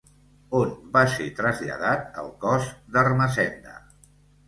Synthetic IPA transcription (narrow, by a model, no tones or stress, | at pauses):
onbaset̪ɾəzʎə̰ð̞at̪ə̰lˠkɔzd̪ərməzɛnd̪ə̰